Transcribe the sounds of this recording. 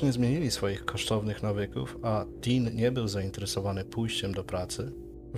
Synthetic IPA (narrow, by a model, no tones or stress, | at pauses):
ɲɛzmʲjeɲilʲisfɔjixkʰɔʂt̪ɔvnɘxnavɘkṵfad̪̥ʲinɲɛbɘwzaint̪ɛɾɛsɔvanɘpujɕt͡ɕɛmd̪ɔpɾat̪sɘ | v